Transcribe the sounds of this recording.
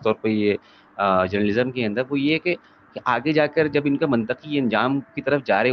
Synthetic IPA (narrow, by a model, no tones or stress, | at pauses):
t̪ɔːɾpɐje | d͡ʒɐɾnəlɪzəmkeɐ̃nd̪əɾʋojeɦɛke | keʔaːɡed͡ʒaːkəɾd͡ʒɐbɪnkamɐ̃nt̪əqiɐ̃nd͡ʒaːmkit̪ɐɾəfd͡ʒaːɾe